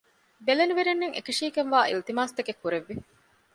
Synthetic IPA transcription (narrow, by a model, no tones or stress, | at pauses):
beleliʋeɾenːeŋḛkɐʂiːkenʋaːʔḭlt̪imaːst̪ɐkekːuɾeʋːi